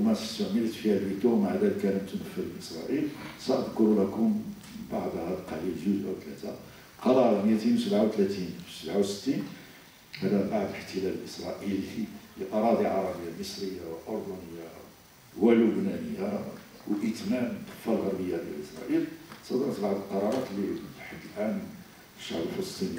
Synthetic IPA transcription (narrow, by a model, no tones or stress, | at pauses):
wmæsə̥st̪əʕmələt̪fihælwit̪umaʕd̪ælkæləmt̪unəfːəlbʔəsɾˤɑʔilsæʔəd̪kʊɾulækʊm | baʕd̪hædqɑlilʒuzʔæwt̪læt̪a | qɑɾɾˤnjæt̪inwsəbʕawt̪læt̪infisəbʕawsə̥t̪ːin | hæd̪æbaʕd̪ələħt̪əlæləlʔəsɾˤɑ̰ʔəliliʔɑɾˤɑd̪iʕɑɾˤɑbəjːaməsɾəjːawʔoɾd̪unəjːa | wælʊbnænəjːa | wʔət̪mæmt̪ːə̥fːælɣəɾbəjːad̪jæ̰lʔəsɾˤɑ̰ʔilsˤɑd̪əɾt̪baʕd̪əlqɑɾˤɑɾˤɑt̪lifħad̪ːəlʔæn | fəʃːaʕbəlfələsˤt̪ˤin